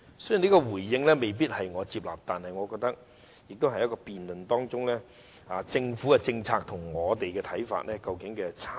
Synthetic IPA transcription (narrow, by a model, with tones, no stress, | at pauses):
sɵ˥jniː˥kɔː˧wuː˨˩jːɪ˧ŋlɛː˥me˨jp̬iː˥t̚hɐ˨jŋɔː˨˧t͡siː˧p̚la̰ː˨˩p̚t̪aː˨nhɐ˨jŋɔː˨˧kɔː˧k̚t̪ɐ˥k̚ | jɪ˨k̚t̪ʊ˥whɐ˨jːɐ˥tkɔː˧piː˨nlɵ˨nt̪ɔː˥ŋt͡sʊ˥ŋlɛː˥ | aː˨˧t͡sɪ˧ŋfuː˨˥kɛ˧t͡sɪ˧ŋt͡sʰaː˧k̚t̪ʰʊ˨˩ŋŋɔː˨˧t̪e˨jkɛː˧t̪ʰɐ˨˥jfa̰ː˧t̚lɛː˥kɐ˧wkɪ˨˥ŋkɛː˧t͡sʰː